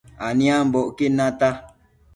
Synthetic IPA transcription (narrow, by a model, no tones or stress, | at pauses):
aniam̩bɔʔkenata